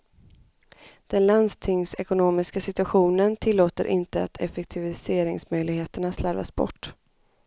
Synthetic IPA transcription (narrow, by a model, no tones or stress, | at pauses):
d̪̥ɛnland̪st̪ʰɪŋsɛkʊnoːmɪskasɪt̪ɵaɧuːnənt̪ʰɪlːoːt̪ə̰ɾʔɪ̰nt̪əat̪ʰɛfɛk̚t̪ʰɪvɪseːɾɪŋsmœjlɪɡheːt̪əɳaslaɾva̰sbɔ̰ʈː